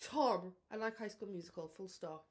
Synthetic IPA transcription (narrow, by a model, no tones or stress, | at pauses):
tʰɑbaɪlaɪkhaɪskulˠmjʉzɪkʰəlˠfʊlˠstɑ